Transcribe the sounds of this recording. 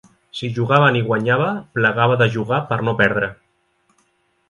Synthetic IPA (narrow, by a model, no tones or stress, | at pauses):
siʒuɣaβəniɣwaɲaβ̞əpləɣaβəðəʒuɣapəɾnopɛɾðɾə